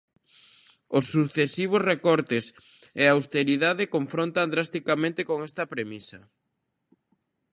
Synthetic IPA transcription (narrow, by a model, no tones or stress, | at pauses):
osːuθesiβ̞osrekɔɾt̪es | eawst̪eɾiðaðɪkoɱfɾont̪and̪ɾast̪ikamẽnt̪ɪkoŋɛst̪ɐpɾemisɐ